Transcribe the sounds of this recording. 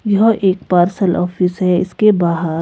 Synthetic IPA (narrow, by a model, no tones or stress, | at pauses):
jɐɦʔeːk̚paːɾsəlʔɔːfɪsɦɛɪ̰skebaːɦəɾ